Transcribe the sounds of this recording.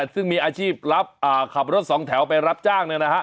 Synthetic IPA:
sɯ˥˩ŋmiː˧ʔaː˧t͡ɕʰiː˥˩p̚ɾa˦˥p̚ʔaː˨˩kʰa˨˩p̬̚ɾo˦˥t̪̚sɔː˩˦ŋt̪ʰɛ˩˦wp̬a˧jɾa˦˥p̚t͡ɕaː˥˩ŋnɯ˧na˦˥kʰa˦˥ʔ

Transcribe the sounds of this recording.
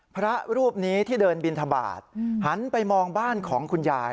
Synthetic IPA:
pʰɾa˦˥ɾuː˥˩p̚niː˦˥t̪ʰiː˥˩dɤː˧nbi˧nt̪ʰa˧ba̰ː˨˩t̪̚ha˩˦npa˧jmɔː˧ŋbaː˥˩nkʰɔː˩˦ŋkʰu˧njaː˧j

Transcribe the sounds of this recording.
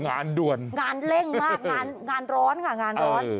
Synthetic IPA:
ŋaː˧ndu˨˩ənŋaː˧nle˥˩ŋmaː˥˩k̚ŋaː˧nŋaː˧nɾɔː˦˥nkʰa˧˥˩ŋaː˧nɾɔː˦˥n

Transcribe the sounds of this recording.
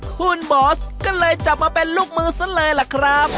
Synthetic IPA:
hʰuː˧˩nbɔː˨˦skɔː˥˩lɤː˧jt͡ɕa˨˩p̚maː˧pe˧nluː˥˩k̚mɯː˧˩sa˧˥lɤː˧jla˨˩kʰɾa˦˥p̚

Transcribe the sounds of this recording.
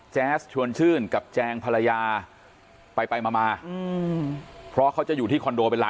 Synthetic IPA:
t͡ɕɛː˦˥st͡ɕʰu˧ənt͡ɕʰɯː˥˩nka˨˩p̚t͡ɕɛː˧ŋpʰa˧la˧jaː˧ | pa˧jpa˧jmaː˧maː˧ɯ˧ | pʰɾɔ˦˥kʰa˦˥wt͡ɕa˨˩ʔjuː˨˩t̪iː˥˩kʰɔ˧ndoː˧pe˧nla˦˥

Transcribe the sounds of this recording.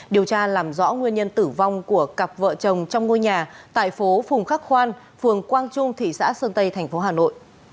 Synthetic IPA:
ɗi˨˩əwt͡ɕaː˧laː˨˩mzɔ̰˧˥ŋwi˧ənɲə˧nt̪ɨ˧˩va˧wŋ͡mku˧˩əka˨˩p̚və̰ː˧˨t͡ɕə˨˩wŋ͡mt͡ɕɔ˧wŋ͡mŋo˧jɲaː˨˩t̪a̰ː˧˨jfo˨˦fʊ˨˩ŋ͡mxa˦˥k̚xwaː˧n | fɨ˨˩əŋkwaː˧nt͡ɕʊ˧ŋ͡mt̪ʰḭ˧˨sa̰ː˧˥səː˧nt̪ə˧jt̪ʰɛ˨˩jŋ̟fo˨˦ɦaː˨˩no̰˧˨jʔ

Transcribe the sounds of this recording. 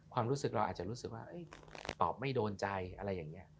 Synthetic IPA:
kʰwaː˧mɾuː˦˥sɯ˨˩k̚ɾa˧wa̰ː˨˩t͡ɕa˨˩ɾu˦˥sɯ˨˩k̚waː˥˩ʔɤ˦˥˩jt̪ɔ̰ː˨˩p̚ma˥˩jdoː˧nt͡ɕa˧jʔa˧ɾa˧jːaː˨˩ŋːi˦˥ɐ

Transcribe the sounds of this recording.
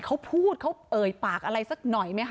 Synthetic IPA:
kʰa˦˥wpʰuː˥˩t̪̚kʰa˦˥wʔɤː˨˩jpaː˨˩k̚ʔa˧ɾa˧jsa˧˩k̚nɔ˨˩jma˦˥jkʰ

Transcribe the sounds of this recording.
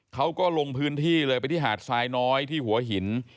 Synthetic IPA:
kʰa˦˥wkɔː˥˩lo˧ŋpʰɯː˦˥nt̪ʰiː˥˩lɤː˧jpa˧jt̪ʰiː˥˩ɦaː˨˩t̪̚saː˧jnɔː˦˥jt̪ʰiː˥˩hu˩˦ɐɦi˩˦n

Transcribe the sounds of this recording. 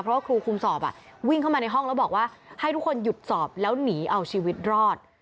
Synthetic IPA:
pʰɾɔ˦waː˥˩kʰɾuː˧kʰu˧msɔː˨˩p̚ʔa̰˨˩wi˥˩ŋkʰa˥˩maː˧na˧jɦɔ˥˩ŋlɛ˦˥bɔː˨˩k̚waː˥˩ha˥˩jt̪ʰu˦˥kʰo˧nju˨˩t̪̚sɔː˨˩p̚lɛː˦˥wniː˩˦ʔa˧wt͡ɕʰiː˧wi˦˥t̪̚ɾɔː˥˩t̪̚

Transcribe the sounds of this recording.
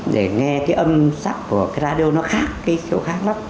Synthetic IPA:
ɗe˧˩ŋɛ˧kaː˨˦jʔə˧msa˦˥kːu˧˩əkaː˨˦jɾaː˧ɗi˧o˧nɔ˨˦xaː˦˥k̚ːaː˨˦jxḭ˧˨wxaː˦˥k̚la˨˦m

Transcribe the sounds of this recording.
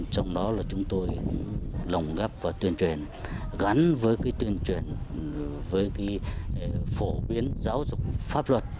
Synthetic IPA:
t͡ɕɔ˧wŋ͡mɗɔ˨˦laː˨˩t͡ɕʊ˨˦ŋ͡mt̪o˧jklə˨˩wŋ͡mɣa˦˥p̚vaː˨˩t̪wi˧ənt͡ɕwe˨˩n | ɣa˨˦nvəː˨˦jkaː˨˦jt̪wi˧ənt͡ɕwi˨˩n | vəː˨˦jkaː˨˦j | fo˧˩ɓi˨˦ənzaː˨˦wzʊ˨˩k͡p̚faː˦˥p̚lwə˨˩t̚

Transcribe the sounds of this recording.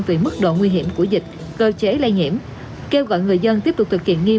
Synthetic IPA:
ŋvi˨˩mɨ˦˥k̚ɗo̰˧˨ŋwi˧ɦi˧˩əmku˧˩əzï˨˩k̟̚ | kəː˧t͡ɕe˨˦la˧jŋḭ˧˨əm | ke˧wɣɔ̰˧˨jŋɨ˨˩əjzə˧nt̪i˦˥əp̚tʊ˨˩k͡p̚t̪ʰɨ˨˩k̚hḭ˧˨ənŋi˧

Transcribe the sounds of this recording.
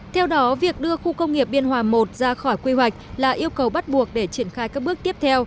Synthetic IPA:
t̪ʰɛ˧wɗɔ˨˦vi˨˩ək̚ɗɨ˧əxu˧kə˧wŋ͡mŋi˨˩əp̚ɓi˧ənɦwaː˨˩mo˨˩t̚zaː˧xɔ˧˩jkwi˧hwa˨˩jk̟̚laː˨˩ʔi˧əwkə˨˩wɓa˦˥t̚ɓu˨˩ək̚ɗe˧˩t͡ɕi˧˩ənxaː˧jkaː˦˥k̚ɓɨ˦˥ək̚t̪i˦˥p̚t̪ʰɛ˧w

